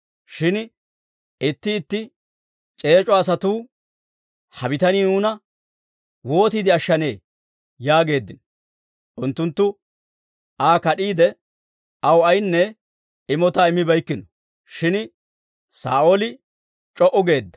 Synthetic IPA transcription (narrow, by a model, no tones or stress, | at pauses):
ʃɪn | ɪt̪ːɪːt̪ːɪ | t͡ʃʼe̞ːt͡ʃʼɔɐs̬ɐt̪uː | hɐbɪt̪ɐnɪnuːnɐ | wo̞ːt̪iːd̪ɪɐʃːɐne̞ː | jaːɡe̞ːd̪ːɪnɔ | ʔʊnt̪ːʊnt̪ːʊ | ʔaːkɐɗiːd̪ɛ | ɐwɐjnːɛ | ɪmɔt̪aɪmːɪbɐjkːɪnɔ̥ | ʃɪn | sa̰ːʔolɪ | t͡ʃʼɔʔɔɡe̞ːd̪ːɐ̥